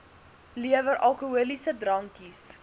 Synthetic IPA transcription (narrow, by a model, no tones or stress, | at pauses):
liəvəɾʔɐlˠkuuəlisədrɐŋkis